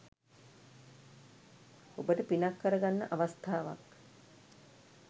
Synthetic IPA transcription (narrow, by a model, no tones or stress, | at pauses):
obəʈəpinakːəɾəɡanːəʔaʋast̪ʰaːʋa̰k